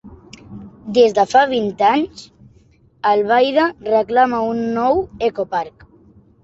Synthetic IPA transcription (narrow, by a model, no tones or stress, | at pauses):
d̪ezd̪afaβint̪aɲs | alβajðareklamaunːɔwekopaɾk